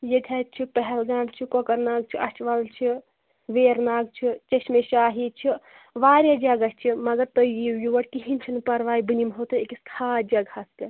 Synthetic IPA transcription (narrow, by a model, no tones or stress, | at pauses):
jet̪ʰʲat͡ʃʰipɐɦɛlɡaːmt͡ʃʰikokɐɾnaːɡ̚t͡ʃʰiʔɐt͡ʃʰʋɐllt͡ʃʰi | ʋeːɾnaːɡ̚t͡ʃʰit͡ʃeʃmeʃaːɦit͡ʃʰi | ʋaːɾʲjad͡ʒɐɡɐst͡ʃʰimɐɡɐɾt̪ojijiʋɐʈ̚kiɦinʲt͡ʃʰinpɐɾʋaːibɨnimɦoːt̪ɨekiskʰaːd͡ʒɐɡhɐst̪e